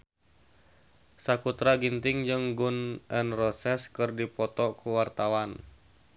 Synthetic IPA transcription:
sakut̪ɾaɡint̪ɪŋd͡ʒɨŋɡunʔɛnrɔsɛskɨrdipɔt̪ɔkuwart̪awan

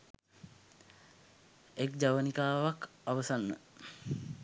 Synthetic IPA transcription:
ekd͡ʒaʋənikaːʋak | aʋəsanːə̰

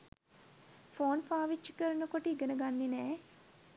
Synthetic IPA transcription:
foːnfaːʋit͡ʃːi̥kəɾɐnɐkoʈiɡɐnɐɡanːinɛː

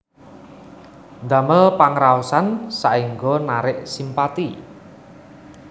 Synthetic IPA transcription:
nd̪a̤məlpaŋɾausansaʔiŋɡonaɾɪʔsimpat̪i

